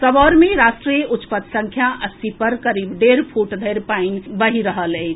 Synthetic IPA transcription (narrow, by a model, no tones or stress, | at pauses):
səbɔɾmeɾasʈɾijut̪ːpət̪sə̃ŋkʰjaʔəsipəɾkəɾibɖeɾpʰuʈd̪ʱəjɾpainbəɦiɾəɦələɪt͡ʃʰ